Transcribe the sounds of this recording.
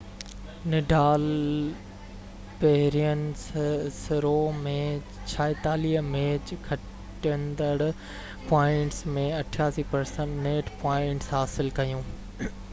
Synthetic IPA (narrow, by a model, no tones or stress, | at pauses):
nɪɖʱaːl | peɦɪɾijənɪssɪɾomẽ | t͡ɕʰaːɪt̪aːliɦmeːd͡ʑkʰɐʈ | ənd̪əɽ | paːɪ̃ɳʈsmẽɐʈʰjaːsiːpɐɾsə̃ɳʈneːʈpaːɪ̃ɳʈsɦaːsɪlkɐjũː